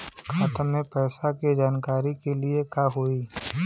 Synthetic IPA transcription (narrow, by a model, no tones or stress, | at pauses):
kʰaːt̪ʰəẽpɛːsaked͡ʒaːnkaːɾikeliekaːɦoːiː